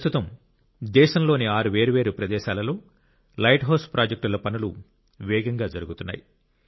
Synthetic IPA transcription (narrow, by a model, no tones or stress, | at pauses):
st̪ut̪ɐm | d̪ɛːʃɐmlo̞ːniaːɾuʋeːɾuʋeːɾupɾɐd̪ɛːʃaːlɐlo̞ː | lɐjʈɦɐːspɾaːd͡ʒɐk̚ʈulɐpɐnulu | ʋɛːɡɐŋɡaːd͡ʒɐɾuɡut̪unːa̰ːji